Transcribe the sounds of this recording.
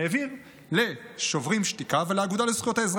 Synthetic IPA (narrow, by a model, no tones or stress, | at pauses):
evim | le̞ʃovʁimʃt̪ikaveleaɡud̪alesχjot̪aezʁ